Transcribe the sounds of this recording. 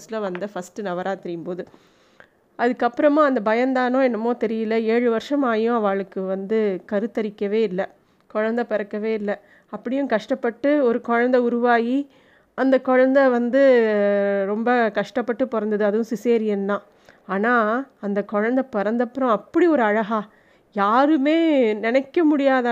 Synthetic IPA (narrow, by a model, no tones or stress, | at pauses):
slɐʋɐnd̪ɯfɐsʈɯnɐʋɐɾaːt̪ɪɾɪjɯmpoːðɯ | ʔɐðɯkːɐpːɯɾɐmãːɐnd̪ɐbɐjɐnd̪aːnõːɛnːɐmoːt̪ɛɾɪjɪlːɐeːɻɯʋɐɾʂɐmaːjjʊ̃ɐʋaːɭɯkːɯʋɐnd̪ɯkɐɾɯt̪ːɐɾɪkːɐʋeːɪlːɐ | kɔɻɐnd̪ɐpɛɾɐkːɐʋeːɪlːɐ | ɐpːɐɽɪjʊ̃kɐʂʈɐpːɐʈːɯɔɾɯkɔɻɐnd̪ɐʊɾʊʋaːji | ɐnd̪ɐkɔɻɐnd̪ɐʋɐnd̪ɯ | ɾɔmbɐkɐʂʈɐpːɐʈːɯpɔɾɐnd̪ɐðɯɐðɯʋʊ̃sɪseːɾɪjɛnːãː | aːnaːɐnd̪ɐkɔɻɐnd̪ɐpɔɾɐnd̪ɐpːɐɾɐ̃ɐpːɐɽiɔɾɯɐɻɐɣaː | jaːɾɯmeːnɛnɛkːɐmʊɽɪjaːðɐ